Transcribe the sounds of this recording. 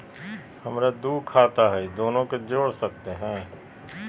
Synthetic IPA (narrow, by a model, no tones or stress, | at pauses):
hɐmɾad̪uːkʰaːt̪aɦɛd̪oːnõked͡ʒoːɽsək̚t̪eɦɛ̃ː